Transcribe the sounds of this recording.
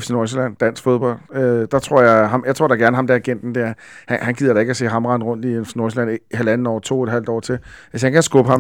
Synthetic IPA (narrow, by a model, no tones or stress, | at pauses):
fsinɔs̬elæn̰d̥æn̰sɡ̥fo̝ð̞ˠb̥ɒ̽l̰d̥ød̥ɑ̈t͡sʰʁo̝ɐ̰jɑ̈ɪɦɑ̈mjɑ̈t͡sʰo̝ɐd̥ɑɡ̥æɐnəɦhɑ̈md̥æɐæɡ̥en̰d̥n̩d̥eæɐ | hæhænɡ̥ið̰ˠɐɾ̥ɑ̈e̝ɡ̥æse̝̰ːɦɑ̈mʁɑ̈nəʁɔ̽n̰d̥iefsnɔslænɦælæn̩ɒ̰ːt͡sʰo̝ːeɾ̥ɦæl̰d̥ɒ̰ːt͡sʰe̝lʋes̬hænkʰæsɡ̥ɔb̥əhɑ̈m